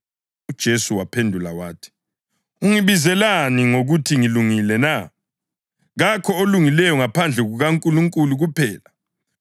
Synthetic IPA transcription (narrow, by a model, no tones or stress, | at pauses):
ud̥ʒ̥ʱesuwapʰendʱula̰wa̰ːtʰi̥ | uŋiβizɛlaniŋoɣutʰiŋiluŋilɛna | ɣakʰɔoluŋilɛjɔŋapʰand͡ɮʱɛɣuɣaŋkʼuluŋkʼuluɣupʰɛːla